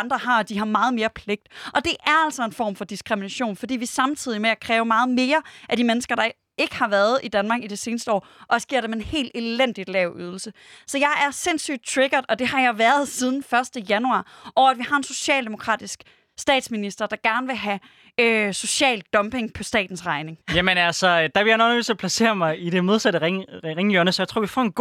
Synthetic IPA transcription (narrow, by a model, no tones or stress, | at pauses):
nd̥ʁɐɦɑ̈d̥iɦɑ̈mɑ̈ːð̞̩ˠme̝ːɐpʰle̝ɡ̥̚d̥ʔɒ̽d̥e̝ʔæɐæl̰sɒ̽e̝nfɒ̰ːmfɒ̽d̥isɡ̥ʁiminæɕo̝̰ːnfɒ̽d̥ḭːʋisɑ̈mt͡sʰið̞̰ˠimeækʰʁɛːʊmɑ̈ːð̞̩ˠme̝ːɐʔæd̥imenəsɡ̥ɐɾ̥ɑ̈ | e̝ɡ̥ə̥hɑ̈ʋæɐð̞ˠid̥ænmɑ̈ɡ̥id̥e̝se̝ːnəsd̥əɒ̰ːɒsɡ̥eɐ̰ɾemeenhe̝̰ːld̥e̝len̰d̥id̥lɛʊ̰ʔyð̞ˠl̩sə | sɒ̽jɑ̈ɪæɐse̝nsy̰ːd̥̚t͡sʰʁeɡ̥ɐðˠɒ̽d̥e̝hɑ̈jɑ̈ɪʋæɐð̞ˠsið̞ˠn̩fɶɐsd̥əjænuɑ̰̈ːʔɒʊæd̥ʋihɑ̈e̝nso̝ɕɛ̰ːld̥e̝mo̝kʰʁɑ̰̈ːd̥isɡ̥ | sd̥ɛ̰ːd̥sminisd̥ɐd̥ɑ̈ɡ̥æɐnəʋe̝ɦæ | øso̝ɕɛ̰ːld̥ɒ̽mb̥e̝ŋpʰɒ̽sd̥ɛ̰ːd̥n̩sʁɑ̈ɪne̝ŋjæmənælsɒd̥ɑbe̝ljanonøy̰sæpʰlæse̝̰ːɐmɑ̈ɪide̝moð̞ˠsæɾəʁeŋʁeŋjøɐnəsɒjat͡sʰʁo̰ɐ̰ʋifɒ̰ːe̝nɡo